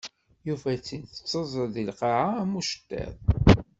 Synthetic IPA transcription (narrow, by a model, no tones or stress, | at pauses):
juvæt͡sːinθə̥t͡sˤːəzˤəðilqɑʕamuʃə̥t̪ːæ̰ð